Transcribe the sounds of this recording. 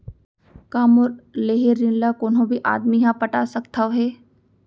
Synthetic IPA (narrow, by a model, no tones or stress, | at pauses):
kaːmʊɾleːɦeɾːɪnlakonɦõbʱiʔa̰ːd̪miɦãpɐʈasɐkt̪ʰaɦɛː